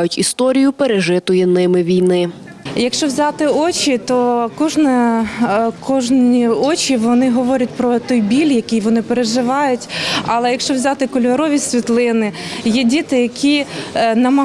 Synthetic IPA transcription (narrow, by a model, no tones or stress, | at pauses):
jʊtʲist̪ɔɾʲijʊpeɾeʒɪt̪ʊjɛnɪmɪʋʲijnɪ | jɐkʃt͡ʃɔwzʲɑt̪ɪɔt͡ʃʲit̪ɔkɔʒnɛ | kɔʒniɔt͡ʃiʋɔnɪɦɔʋɔɾʲɐt̚ʲpɾɔt̪ɔjbʲilʲjɐkʲijʋɔnɪpeɾeʒɪʋɑjʊtʲɐlˠɛjɐkʃt͡ʃɔwzʲɑt̪ɪkɔlʲʋɐɾɔʋʲisʲʋʲit̪lˠɪnɪjɛdʲit̪ɪjɐkʲinɐmɐ